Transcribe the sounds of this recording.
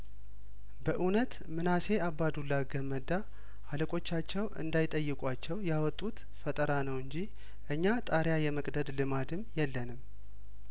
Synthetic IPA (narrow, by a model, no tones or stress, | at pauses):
bəʔunət̪ | mɨnase̞abːad̪ulːaɡəməd̪a | aləkʼo̞t͡ʃːat͡ʃːɛwɨ̰nd̪ajɪt̪ʼəjːɨkʼʷat͡ʃːɛwjawɔt̪ʼːut̪ | fət̪ʼəɾanəwɨɲd͡ʒi | ʔɨɲːat̪ʼaɾjajɛməkʼd̪əd̪lɨmad̪ɨmjɛlːənɨm